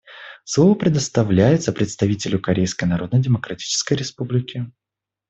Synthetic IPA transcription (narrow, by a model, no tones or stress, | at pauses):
slˠovəpɾʲɪd̪əst̪ɐvlʲæjɪt̪səpɾʲɪt̪st̪ɐvʲitʲɪlʲʊkɐɾʲejskəjnɐɾo̞d̪nəjdʲɪməkɾɐtʲi̥t͡ɕɪ̥skəjɾʲɪspublʲɪkʲɪ